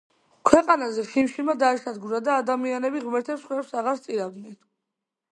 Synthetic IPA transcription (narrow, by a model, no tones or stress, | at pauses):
kʰwɛqʼanazɛχimʃimad̪aɛʃad̪ɡuɾad̪aːd̪amianɛbiʁmɛɾt̪ʰɛpsχwɛlpsaʁaɾst̪sʼiɾavd̪nɛn